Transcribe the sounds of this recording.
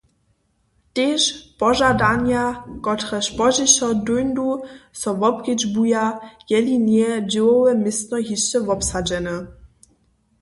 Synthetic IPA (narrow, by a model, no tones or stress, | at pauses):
teʃpɔʒadanjakɔtχɛɕpɔʑɪɕɔdujnd̪usɔvɔpkid͡ʑbujajɛlinjɛd͡ʑɪwɔwɛmɪstnɔɦiʃɛvɔpsad͡ʑɛnɛ